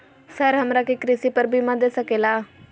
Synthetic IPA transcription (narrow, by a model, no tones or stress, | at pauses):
səɾɦəmɾaːkekɾisiːpəɾbʱiːmãd̪eːsəkeːlaː